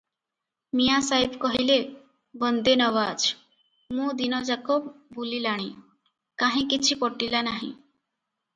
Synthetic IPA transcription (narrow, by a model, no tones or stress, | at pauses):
mijasaɦibkɔɦile | bənd̪enəʋad͡ʒ | mũd̪inɔd͡ʒakobbulilaɽ̃i | kaɦĩkit͡ʃʰipɔʈilanaɦḭ̃